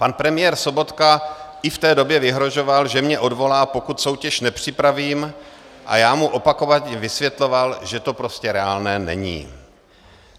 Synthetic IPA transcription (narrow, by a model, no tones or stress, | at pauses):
panpɾɛmɪjɛːɾso̞bo̞t̪kaʔɪft̪ɛːdo̞bjɛvɪɦɾo̞ʒo̞valʒɛmɲɛʔo̞dvo̞laːpo̞kut̪so̞wcɛʃnɛpr̝̥ɪpɾaviːm | ʔa̰jaːmuʔo̞pako̞vaɛvɪsvjɛt̪lo̞valʒɛt̪o̞pɾo̞scɛɾɛaːlnɛːnɛ̰ɲḭː